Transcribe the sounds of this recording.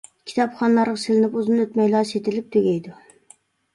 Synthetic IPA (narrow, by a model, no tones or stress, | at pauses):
kʲʰi̥t̪ʰɑpχɑnlˠɑɾʁɑsɪlɪnɪpuzɨnøt̪mɛjlˠɑset̪ɪlɪp̚t̪ʰøɡʲɛjd̪u